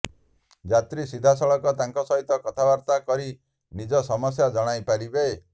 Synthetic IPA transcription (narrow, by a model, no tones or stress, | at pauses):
d͡ʒat̪ɾisid̪ʱasɔɭɔkɔt̪aŋkɔsɔɦit̪ɔkɔt̪ʰabaɾt̪akɔɾi | nid͡ʒɔsɔmɔs̬jad͡ʒɔɽ̃ajpaɾibe